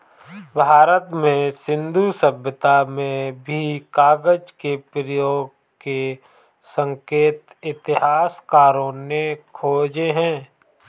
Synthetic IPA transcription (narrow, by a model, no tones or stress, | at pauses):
bʱaːɾət̪mẽsɪ̃nd̪ʱusəbjət̪amẽbʱikaːɡəd͡ʒkepɾəjoːɡ | ke | sə̃ŋkeːt̪ɪt̪ɪɦaːskaːɾõnekʰoːd͡ʒeɦɛ̃ː